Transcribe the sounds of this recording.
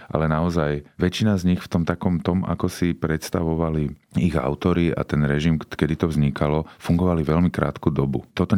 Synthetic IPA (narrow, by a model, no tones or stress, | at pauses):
ʔa̰lɛnaɔzajʋɛt͡ʃinazɲixft̪ɔmt̪akɔmt̪ɔmʔa̰kɔsipɾɛt̪st̪aʋɔʋaliiɣa̰ʊt̪ɔɾia̰t̪ɛnɾɛʒimkɛd̪it̪ɔvzɲikalɔfuŋɡɔʋaliʋɛlmikɾa̰ːt̪kuːd̪ɔbut̪ɔt̪ɔ